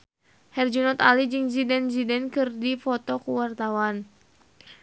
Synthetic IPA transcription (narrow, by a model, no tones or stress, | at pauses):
hɛrd͡ʒunɔt̪alid͡ʒɨŋzidɛnzidɛnkɨrdifɔt̪ɔkuwart̪awan